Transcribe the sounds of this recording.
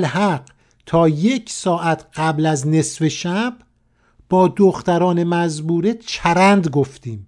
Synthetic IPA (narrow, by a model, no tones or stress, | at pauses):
lhæɢ | t̪ʰɒːjecʰsɒːʔæt̪ʰɢ̥æblæzne̞sve̞ʃæb̥ | b̥ɒːd̪oxt̪æɾɒːnemæzbuːɾet͡ʃʰæɾænd̪ɡoft̪iːm